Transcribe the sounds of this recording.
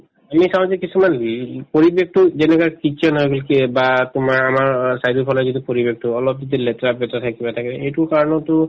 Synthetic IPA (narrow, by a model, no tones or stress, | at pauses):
amisãw̃zɛkisumanpoɹibek̚tʊzɛnɛkakitɔnɦojɡɔlkbatʊmaɹamaɹsajdipʰɔlɔzidipoɹibek̚tʊɔlɔp̚zidilɛtɹabɛtatʰakibatʰakɛejtuɹkaɹɔnɔtʊ